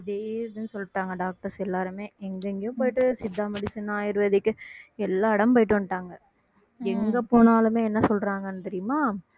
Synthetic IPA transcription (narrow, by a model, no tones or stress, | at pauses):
d̪eːsðɯnːɯsɔlːɪʈːaːŋɡɐɖaːk̚ʈɐɾsɛlːaːɾɯmeːɛŋɡɐɪŋɡejʊ̃poːjɪʈːɯsɪd̪ːaːmɐɽɪsɐnaːjɪɾʋɐːðɪkːɯɛlːaːɐɽɐmpoːjɪʈːɯʋɐnːʈːaːŋɡɐ | ɛŋɡɐpoːnaːlɯmeːɛnːɐsɔlɾaːŋɡɐnːɯt̪ɛɾɪjɯmaː